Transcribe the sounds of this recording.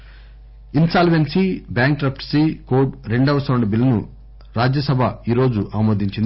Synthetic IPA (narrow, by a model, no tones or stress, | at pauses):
insaːlʋensibaːŋk̚ʈɾɐpʰʈsikoːʈɾeɳɖɐʋɐsɐːɳɖɐbilːɐnu | ɾaːd͡ʒjɐsɐbʱɐiːɾo̞ːd͡ʒuʔaːmoːd̪iɲt͡ʃind̪